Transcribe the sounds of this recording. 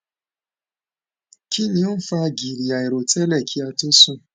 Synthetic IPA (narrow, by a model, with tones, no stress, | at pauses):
ki˦ni˨˦o˦fa˦ɡi˨ɾi˨a˨i˨ɾo˨te˦lɛ˦˨kʰi˦a˨to˦su˦